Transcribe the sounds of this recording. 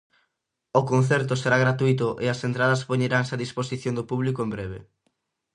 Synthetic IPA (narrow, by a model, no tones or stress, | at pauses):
okon̟θɛɾt̪ʊseɾaɣɾat̪uit̪ʊʔeasent̪ɾað̞ɐspoɲeɾaŋseaðisposiθjond̪opuβ̞likoembɾɛβ̞ḛ